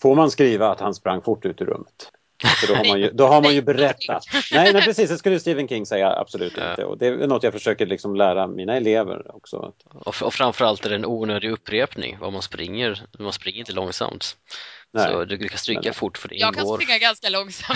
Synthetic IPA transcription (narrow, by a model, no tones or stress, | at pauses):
foɾmanskɾiːvaːt̪hanspɾaŋːfʊʈːʉ̟ːt̪ɪɾɵ̰mːət̪ | sɔd̪ɔhaɾmanjɵd̪ɔɦaɾmanjɵbɛɾɛt̪ːa̰t̪nɛɪnɛpɾɛsiːsd̪ɛskɵlːəjəst̪iːvənkʰɪŋːsɛjːa̰a̰b̥sɔlʉ̟ːt̪ɪ̰nʰə̰ɔ̰d̪ɛɛ̰nɔt̪ːjaɡfœʂøːkəlɪksɔmlæːɾamiːnaɛleːvə̰ɾɔksɔ̰a̰t̪ɔɔfɾanfœɾalt̪æɾɛɛnʔuːnøːd̪ɪɵpːɾeːpnɪ̰ŋva̰manspɾɪ̰ŋːəɾmanspɾɪŋːəɾɪnt̪əlɔŋsa̰mt̪nsɔ̰d̪ɵɾkʰast̪ɾykːafʊʈːfœɖɛ̰ɪkːanoːɾɾɪŋːaɡanskalɔŋsam